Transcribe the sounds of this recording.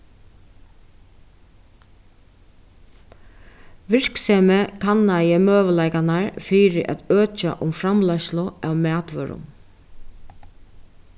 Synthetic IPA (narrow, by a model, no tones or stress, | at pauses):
ʋɪɹ̥ksɛːmɛkʰanːajəmøːʋəlajkanaɹfiɾɪʔa̰t̪øːt͡ʃa̰ʔʊmfɾamlajʃlʊawmɛːt̪ʋœːɾʊ̰n